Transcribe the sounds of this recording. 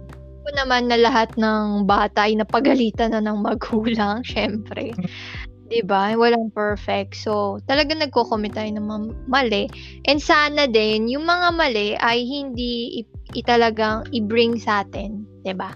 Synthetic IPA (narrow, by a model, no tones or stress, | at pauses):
ponɐmanːɐlɐɦat̪̚nɐŋbaːt̪ɐʔɐjnɐpɐɡɐliːt̪ɐnɐnɐŋmɐɡuːlɐŋʃɛmpɾɛ | d̪̥ɪbawɐlaŋpɛɹfɛk̚t̪̚so̞t̪ɐlɐɡaŋnɐɡ̚koːkomɛnt̪ajɪnɐŋmamɐlɛ | ʔɛnd̪saːnɐd̪ɛnjʊŋmɐŋamɐlɛʔɐjhɪnd̪iɪʔɪt̪ɐlɐɡaŋʔɪbɾɪŋsaːt̪ɛnd̪̥ɪba